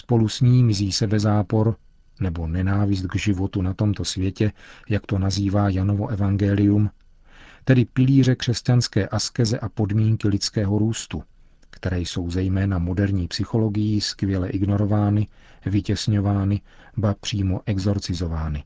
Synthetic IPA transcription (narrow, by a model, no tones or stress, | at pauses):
spo̞lusɲiːmɪziːsɛbɛzaːpo̞ɾ | nɛbo̞nɛnaːvɪs̬t̪ɡʒɪvo̞t̪unat̪o̞mt̪o̞svjɛcɛjakt̪o̞naziːvaːjano̞vo̞ʔɛvaŋɡɛlɪjum | t̪ɛdɪpɪliːr̝ɛkr̝̥ɛscanskɛːʔaskɛzɛʔapo̞dmiːŋkɪlɪt͡skɛːɦo̞ɾuːst̪u | kt̪ɛɾɛːjso̞wzɛjmɛːnamo̞dɛɾɲiːpsɪxo̞lo̞ɡɪjiskvjɛlɛʔɪɡno̞ɾo̞vaːnɪ | vɪcɛsɲo̞vaːnɪ | bapr̝̥iːmo̞ʔɛɡzo̞ɾt͡sɪzo̞vaːnɪ